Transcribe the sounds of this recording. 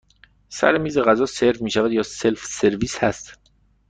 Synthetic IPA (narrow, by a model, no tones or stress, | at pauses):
sæ̰ɾemiːzeɣæzɒːseɾvmiːʃævæd̪jɒːselfse̞ɾviːshæ̰st̪